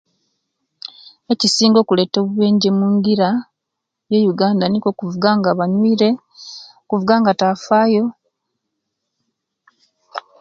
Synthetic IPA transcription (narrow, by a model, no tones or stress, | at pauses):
e̞cisiːŋɡo̞ːkule̞ːto̞ːβuβe̞ːɲɟemuŋɡiɾa | je̞juɡaːndaniko̞kuvuɡaːŋɡaβaɲwiːɾe̞ | okuvuɡaːŋɡatafaːjo̞